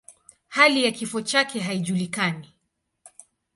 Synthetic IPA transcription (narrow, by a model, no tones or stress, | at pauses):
halijakifɔt͡ʃakɛɦaiʄulikani